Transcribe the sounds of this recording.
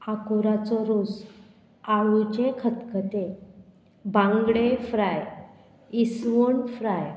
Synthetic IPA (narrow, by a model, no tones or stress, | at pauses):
akuɾat͡sɔɾod͡z | aʋut͡ɕekʰət̪kət̪e | bãŋɡɽefɾaj | isʋoɳfɾaj